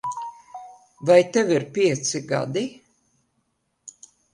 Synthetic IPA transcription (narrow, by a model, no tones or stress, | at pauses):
vajt̪ɛviɾpʲiɛt̪siɡa̰d̪i